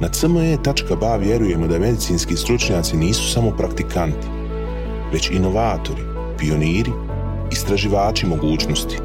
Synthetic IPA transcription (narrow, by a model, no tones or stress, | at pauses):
nasəmoet̪at͡ʃkabaʋje̞ɾuje̞mod̪ame̞d̪it̪siːnskiːst̪ɾut͡ʃɲaːt̪siniːsu̥samo̞pɾakt̪ikʰant̪i̥ | ʋe̞t͡ɕino̞ʋaːt̪o̞ɾi | pijo̞niːɾiː | st̪ɾaʒiʋaːt͡ʃimo̞ɡuːt͡ʃno̞st̪i̥